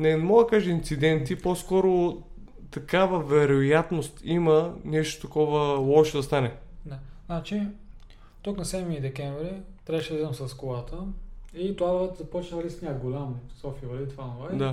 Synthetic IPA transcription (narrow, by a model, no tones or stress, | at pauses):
nɛnɛmɔɡd̪ɐkaʒɛint̪sid̪ɛnt̪iposkɔɾo | t̪ɐkavəvɛɾojat̪nost̪imɐnɛʃt̪o̥t̪ɐkɔvəlˠɔʃɛd̪ɐst̪anɛnɛnat͡ʃi | t̪uknɐsɛd̪nid̪ɛkʲɛɱvɾit̪ɾɛbʃɛd̪id̪ɐmsɐskolˠat̪ʰəit̪ovazɐpɔt͡ʃnəlisnʲaɡolʲamsɔfiəvɐit̪fanovɛd̪a